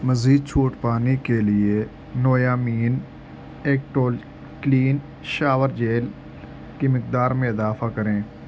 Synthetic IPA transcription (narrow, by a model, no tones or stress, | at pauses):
mɐziːd̪̚t͡ʃʰoːʈpaːnikelɪe | nɔːjaːmiːn | eːk̚ʈoːl | kliːn | ʃaːʋəɾd͡ʒeːl | kimɪq̚d̪aːɾmẽɪzaːfakɐɾẽː